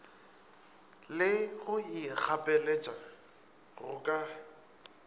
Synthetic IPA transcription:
lɪɣʊik͡xʰapʼɛlet͡ʃʼa | ɣʊ̰kʼa

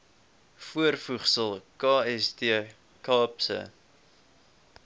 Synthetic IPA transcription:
fuərfuχsəlˠkɑːɛstiə | kɑːpsə̰

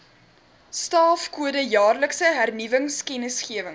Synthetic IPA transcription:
stɑːfkuədəjɑːrləksəɦærnivəŋskɛnəsχiəvəŋ

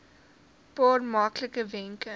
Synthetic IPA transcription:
pɑːrmɑkləkəvɛŋkə

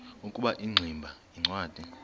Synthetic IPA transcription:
ukʼuɓaʔiŋ͡ǀʱimbʱa | iŋ͡ǀwaːd̥ʱi

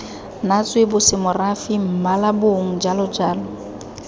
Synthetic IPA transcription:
nat͡sʼwebʊsɪmʊrafim̩malabʊŋ̩d͡ʒalʊd͡ʒaːlɔ

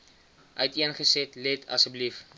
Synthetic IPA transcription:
ʔœjtiənχəsɛtlɛtʰɐ̰səblif

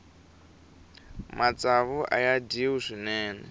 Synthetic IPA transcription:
mat͡saβuʔa̰jadiwuzʷinɛːnɛ̰

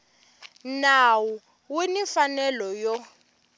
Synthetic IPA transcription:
nawu | winifanɛlɔjɔ

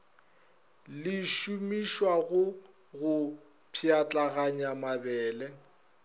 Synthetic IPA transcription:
lɪʃumiʃwaɣʊ | ɣʊ | pʰiat͡ɬʼaɣaɲamabɛːlɛ

